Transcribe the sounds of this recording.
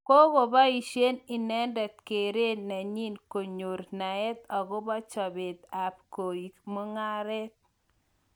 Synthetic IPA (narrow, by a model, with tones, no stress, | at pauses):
ko˦ko˨ba˦i˨ʃe˦ni˨nɛ˦ndɛ˨t̪̚ke˨ɾe˦na˨ɲi˦nko˨ɲo˨ɾna˨ɛ˦t̪ɔ˨ɡo˦bɔ˦t͡ʃɔ˨bɪ˨t̪a˨p̚ko˨i˨kmo˦ŋa˦ɾɛ˦t̪̚